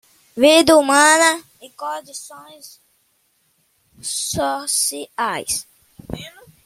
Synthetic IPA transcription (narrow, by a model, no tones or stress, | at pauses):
vid̪ɐumɐ̃nɐ | ɪkõd͡ʒisõj̃s | sɔsiajs